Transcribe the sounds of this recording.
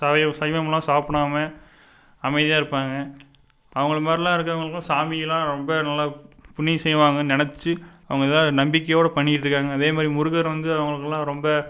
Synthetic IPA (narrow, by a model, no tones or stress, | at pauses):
sɐʋɐsɐjʋɐmɐlãːsaːpɐɳaːmɐ | ɐmɐɪðɪjaːɪɾɯpːaːŋɡɐ | ɐʋɐŋɡɐɭɐmaːd̪ɾilãːɪɾɯkːɐʋɐŋɡɐɭɯkːãsaːmɪjɐlãːɾɔmbɐnɐlːaːpʊɳːisɛjʋaːŋɡɐnɪnɐt͡ʃːɯɐʋɐŋɡɐðlãːnɐmbɪkːɐjoːɽɐpɐɳːɪɪʈːɾɯkːaːŋɡɐːðeːmaːd̪ɾimʊɾɯɣɐɾʋɐnd̪ɯɐʋɐŋɡɐɭɯkːɐlːãːɾɔmbɐ